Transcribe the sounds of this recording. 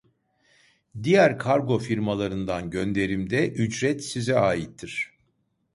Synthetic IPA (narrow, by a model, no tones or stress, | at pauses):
d̪ijæɾkʰaɾɡo̞fiɾmalˠaɾɯnd̪anɟønd̪e̞ɾimd̪ɛʔyd͡ʒɾɛt̪sizɛaːjit̪ʰːiɾ̥